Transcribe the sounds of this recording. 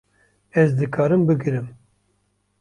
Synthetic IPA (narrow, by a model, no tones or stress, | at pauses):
ɛzd̪ɨkʰɑːɾɨmbɨɡɨɾɨm